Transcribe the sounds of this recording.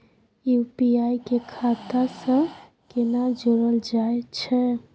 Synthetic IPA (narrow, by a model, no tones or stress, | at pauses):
jupiajkekʰat̪asə̃ | kenad͡ʒoɾəld͡ʒaet͡ʃʰɛ